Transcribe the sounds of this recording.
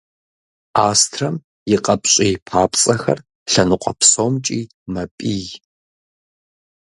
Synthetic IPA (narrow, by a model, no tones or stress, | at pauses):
aːstʰrɐm | jɪqʼɐpʼɕʼiːpʰaːpʼt͡sʼɐxɐ̰r | ɬɐnɨqʷʼɔpsoːmt͡ʃʼiː | mɐpʼiːj